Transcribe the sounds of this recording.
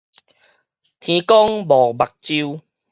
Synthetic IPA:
t̪ʰĩ˧kɔ˦ŋbɔ˨˩ba˨˩k̚t͡ɕi˧w

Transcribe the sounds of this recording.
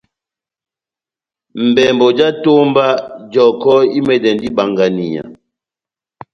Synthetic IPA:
m̩˨bɛ˨mbɔ˨d͡ʒa˦to˦mba˦d͡ʒɔ˨kɔ˦i˦mɛ˨dɛ˨ndi˦ba˨ŋɡa˨ni˨ɲa̰˨

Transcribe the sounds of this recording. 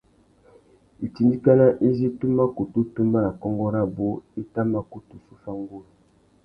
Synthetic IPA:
i˨ti˨ndi˦ka˦na˦ʔi˦zi˦tu˦ma˦ku˨tu˦tu˦mba˦na˨kɔ˦ŋɡɔ˦ɾa˦bo˦i˦ta˦ma˦ku˨tu˨su˦fa˦ŋɡo˦la˨

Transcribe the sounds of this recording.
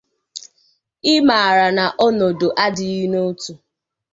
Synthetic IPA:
ɪ˦ma˨a˨ɾa˨na˨ʔɔ˦no˨do˨ʔa˦dɪ˨i˦no˦tu˦

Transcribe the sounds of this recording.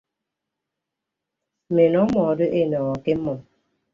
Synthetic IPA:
me˨nɔ˨˦mɔ˨do˦ʔe˦˨nɔ˨ɣɔ˨ke˦mɔ˨

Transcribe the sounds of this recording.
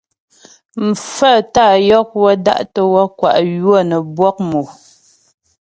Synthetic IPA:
m̩˨fə˦˨ta˦˨jɔ˦k̚wɔ˦da̰˦ʔtə˨wɔ˦kwa̰˨ʔjwɔ˦˨nə˨bwɔ˦k̚mo˨

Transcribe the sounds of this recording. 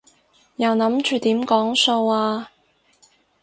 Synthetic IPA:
jɐ˨˩wnɐ˨˥mt͡ʃyː˨˩t̪iː˨˥mkɔː˨˥ŋso˧waː˧

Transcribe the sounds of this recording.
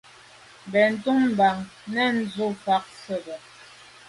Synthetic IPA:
bɛ˨n̩˨˦tu˦ŋm̩˨ba˨ŋ | nɛ˦˨n̩˦zu˦fa˦k̚sə˦˨bɛ˨

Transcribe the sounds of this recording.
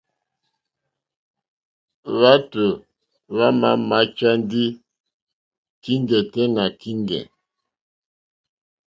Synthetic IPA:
βa˦tə˨ | βa˦ma̰˦ma˦t͡ʃa˦n˦di˦ | ki˦ŋɡɛ˨tɛ˦na˨ki˦ŋɡɛ̰˨

